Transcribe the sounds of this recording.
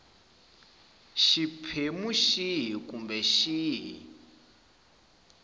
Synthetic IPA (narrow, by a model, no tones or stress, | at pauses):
ʃipʰemuʃiɦikumbɛʃiɦḭ